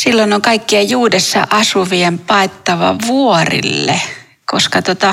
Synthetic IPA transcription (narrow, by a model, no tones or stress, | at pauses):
silːonoŋkɑikːiejjuːdesːɑ̰ʔɑsuʋiempɑˑet̪ːɑʋɑ̰ʋuorḭlːḛ | koskɑt̪ot̪ɑ